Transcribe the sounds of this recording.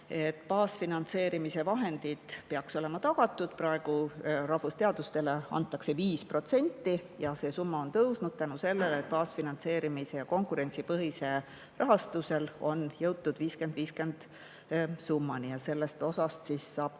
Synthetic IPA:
e̞t̪ːˑpɑːsfinɑnt̪se̞ːɾimise̞vɑɦe̞nd̪̥id̪̥peɑkso̞le̞mɑt̪ɑɡ̥ɑt̪ːˑud̪̥̚prɑe̞ɡ̥urɑhvust̪eɑd̪̥ust̪e̞le̞ɑ̰nt̪ˑːɑkse̞viːspro̞t̪se̞nʲt̪ːijɑse̞ːsumːɑo̞nt̪ɤwsnud̥̪̚t̪ænuse̞lːe̞let̪̚pɑːsfinɑnt̪se̞ːɾimise̞jɑko̞ŋkuɾe̞nt̪sipɤɦise̞ | rʔɑɦɑst̪use̞lo̞njɤwt̪ːud̪̥viːske̞nd̪̥viːske̞nd̪̥ | sumːɑnijɑse̞lːe̞st̪o̞sɑst̪sisːɑːb̥

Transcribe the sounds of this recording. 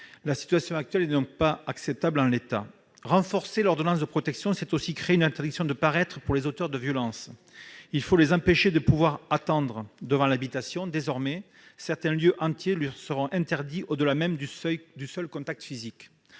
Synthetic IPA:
lasi̥t̪yasjɔ̃ak̚t̪ɥɛlɛnɔ̃k̚paaksɛp̚t̪abld̪ɑ̃let̪a̰ | ʁɑ̃fɔʁselɔʁd̪ɔnɑ̃s̬d̪əpχɔt̪ɛksjɔ̃sɛt̪osikχeeynɛ̃nt̪ɛʁd̪iksjɔ̃d̪əpaʁɛt̪χəpuʁlezot̪œʁd̪əvjɔlɑ̃s | ilfolezɑ̃peʃed̪əpuvwaʁat̪ɑ̃d̪ʁəd̪əvɑ̃labit̪asjɔ̃d̪ezɔʁmɛ | sɛʁt̪ɛ̃ljøʔɑ̃t̪jelisəʁɔ̃ʔɛ̃nt̪ɛʁd̪iʔod̪əlamɛmd̪ysœlkɔ̃t̪ak̚t̪ə̥fizik

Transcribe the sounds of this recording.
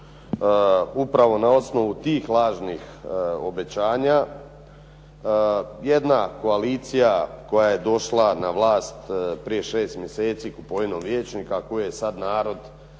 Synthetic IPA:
upɾaʋo̞nao̞sno̞ʋut̪iːxlˠaːʒnixo̞be̞t͡ɕaːɲa | je̞d̪nako̞aliːt̪sijako̞jaje̞d̪o̞ʃlˠanaʋlˠaːst̪pɾije̞ʃeːst̪mje̞seːt̪siːkupo̞ʋinomʋjeːt͡ʃnikakojijesad̪naːɾo̞d̪

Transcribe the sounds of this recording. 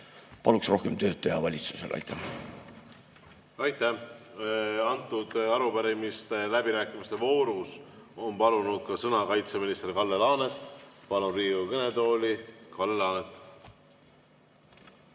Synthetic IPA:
pɑluksro̞hkemt̪ø̞ːt̪ːˑɑjɑvɑlʲit̪su̥sḛlʔɑ̰jt̪ːæ | ɑjt̪ːæ | ɑnt̪ːˑud̪̥ɑɾupæɾimist̪elæbiɾæːkːˑimist̪e̞vo̞ːɾus | o̞npɑlunud̪̥̚kɑsɤnɑkɑjt̪se̞minist̪erkɑlːe̞lɑːne̞t̪ˑpɑluriːukɤne̞d̪o̞ːlikɑlːe̞lɑːnet̪ːˑ

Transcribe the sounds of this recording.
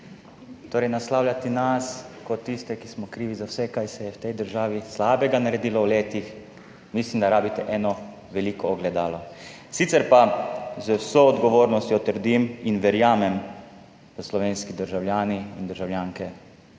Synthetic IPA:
t̪oːɾɛjnaslaːwlʲjat̪inaskɔt̪ːist̪ɛkismɔkɾiːʋizawsɛkajsɛjɛwt̪ɛjd̪əɾʒaːʋislaːbɛɡanaɾɛd̪iːlɔwleːt̪ix | mislimd̪aɾaːbit̪ɛʔɛːnɔ | ʋɛliːkɔːɡlɛd̪aːlɔ | sit̪sɛɾpazəwsoːd̪ɡɔʋoːɾnɔst̪jɔt̪əɾd̪iminʋɛɾjaːmɛm | slɔʋeːnskid̪əɾʒawljaːniind̪əɾʒawljaːŋkɛ

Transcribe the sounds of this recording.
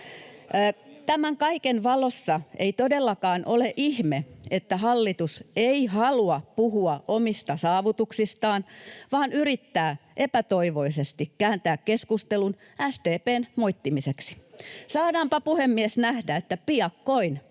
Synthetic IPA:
t̪æmæŋkɑikenʋɑlosːɑʔeit̪odelːɑkɑːnʔoleʔihmeet̪ːæhɑlːit̪useihɑluɑpuhuɑʔomist̪ɑsɑːʋut̪uksist̪ɑːnʋɑːnyrit̪ːæːʔepæt̪oiʋoisest̪ikkæːnt̪æːkkeskust̪elun | æst̪eːpeːnmoit̪ːimiseksi̥sɑːɾɑːmpɑpuhemːiesnæhdæet̪ːæpiɑkːoin

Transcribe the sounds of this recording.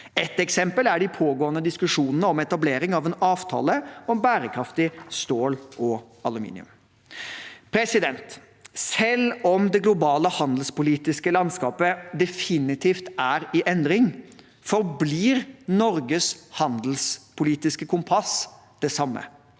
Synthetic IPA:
ɛt̪ɛksɛmpəlæɖɪpʰoːɡoːənəd̪ɪskʉʂuːnənəɔmɛt̪ɑbleːɾɪŋɑʋɛnɑːʋt̪ʰɑ̰ːləɔmbæːɾəkʰɾɑft̪ɪst̪oːlʔɔ | ɑlʉmḭːnɪ̰ʉ̰m | pʰɾɛsɪd̪ɛnt̪ | sɛlɔmd̪ɛɡlʊbɑːləhɑnd̪l̩spʊliːt̪ɪskəlɑnskɑːpəd̪ɛfɪnɪt̪ʰiːft̪æɾɪʔɛnd̪ɾɪŋ | fɔɾbliːɾnɔɾɡəshɑnd̪l̩spʰʊliːt̪ɪskəkʰʊmpʰɑs | d̪̥ɛsɑmːə̰

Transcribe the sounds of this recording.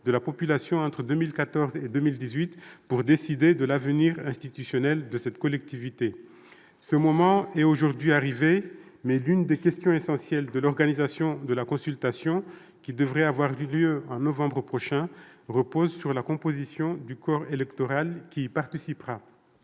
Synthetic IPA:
d̪əlapɔpylasjɔ̃ɑ̃t̪χəd̪ømilkat̪ɔʁzed̪ømild̪izɥit̪puʁd̪esid̪ed̪əlavəniʁɛ̃st̪it̪ysjɔnɛld̪əsɛt̪kɔlɛk̚t̪ivit̪e | səmɔmɑ̃ɛtoʒuʁd̪ɥiaʁivemɛlynd̪ekʲɛst̪jɔ̃esɑ̃sjɛld̪əlɔʁɡanizasjɔ̃d̪əlakɔ̃sylt̪asjɔ̃ | kʲid̪əvʁɛavwaʁljøɑ̃nɔvɑ̃bʁəpχɔʃɛ̃ | ʁəpozsyʁlakɔ̃pozisjɔ̃d̪ykɔʁelɛkt̪ɔʁalkʲiːpaʁt̪isipʁa

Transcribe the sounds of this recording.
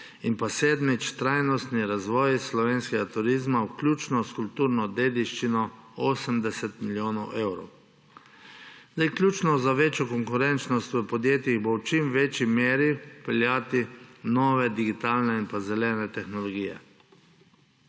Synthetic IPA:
inpaseːd̪mit͡ʃt̪ɾajnɔst̪niɾazʋɔːjslɔʋeːnskɛɡat̪uɾiːzmawklʲjuːt͡ʃnɔskulpt̪uːɾnɔd̪eːd̪iʃt͡ʃinɔoːsəmd̪ɛsɛt̪miljoːnɔwʔewɾɔ̰w | zd̪ajklʲjuːt͡ʃnɔzaʋeːt͡ʃjɔkɔŋkʊɾɛnt͡ʃnɔst̪ʋəpɔd̪jeːt̪jiɣbowt͡ʃimʋeːt͡ʃimeːɾipɛljaːt̪inɔːʋɛd̪iɡit̪aːlnɛinpazɛlɛːnɛt̪ɛxnɔlɔɡiːjɛ̰

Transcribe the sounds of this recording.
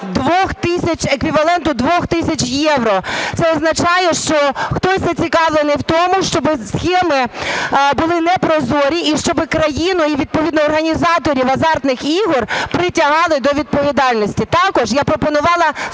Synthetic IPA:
d̪ʋɔxt̪ɪsʲɐt͡ʃekʋʲiʋɐlˠɛnt̪ʊd̪ʋɔxt̪ɪsʲɐt͡ʃjɛwɾɔt̪sɛɔznɐt͡ʃɑjɛʃt͡ʃɔxt̪ɔsʲzɐt͡sʲikɑʋlˠenɪwt̪ɔmʊʃt͡ʃɔbɪsxʲɛmɪ | bʊlˠɪnɛpɾɔzɔɾʲiʔiʃt͡ʃɔbɪkɾɐjinʊiʋʲid̪̚pɔʋʲid̪nɔːrɦɐnʲizɑt̪ɔɾʲiwɐzɑrt̪nɪxiɦɔrpɾɪtʲɐɦɑlˠɪd̪ɔʋʲid̪̚pɔʋʲid̪ɑlʲnɔsʲtʲit̪ɑkɔʒjapɾɔpɔnʊʋɑlˠɐ

